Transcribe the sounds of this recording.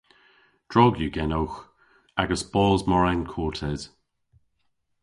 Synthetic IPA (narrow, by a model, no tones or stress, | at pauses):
d̥ɹɔɡjuɡɛnowx | aɡəsb̥ɔːzmɔɹɛnkʰɔːɹtʰɛz̥